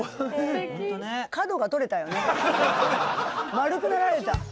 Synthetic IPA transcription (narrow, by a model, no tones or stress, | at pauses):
t̪onekad̪o̞ɡat̪o̞ɾe̞t̪ajo̞ne̞ | maɾɯ̟kɯ̟naɾaɾe̞t̪a